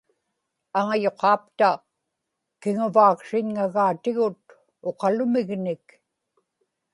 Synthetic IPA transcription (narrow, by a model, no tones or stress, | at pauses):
aŋajo̞qɑːpt̪a | kɪŋʊvaːksɪɲŋaɣaːt̪ɪɣʊt̪̚ | oqɑlʊmɪɣnɪk